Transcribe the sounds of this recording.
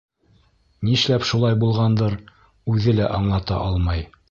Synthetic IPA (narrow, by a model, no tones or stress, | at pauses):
nĭʃlæpʃulˠɑjbulˠʁɑnd̪ɤɾ | ʉðɘlæʔɑɴlˠɑt̪ɑ̰ʔɑlˠmɑj